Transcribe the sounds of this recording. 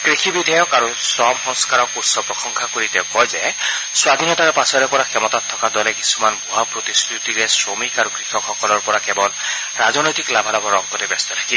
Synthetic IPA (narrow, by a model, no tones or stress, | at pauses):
kɹixibidʱajɔkaɹusɔmxɔŋskaɹɔk̚puɹsɔpɹɔxɔŋkʰakoɹitɛʊkɔjzɛ | swad̪ʱinɔtaɹɛpasɔɾɛpɔɹakʰɛmɔtat̪ʰːɔkadɔlɛkisu̥manbʱuɦapɹot̪ist̪ʰut̪iɾɛsɹomikaɹukɹixʰɔkʰxɔkɔlɔɹpɔɹakɛbɔl | ɹazɔnɔjt̪iklabʱalabʱɔɹɔk̚t̪ɔtɛbɛst̪ɔt̪ʰḁki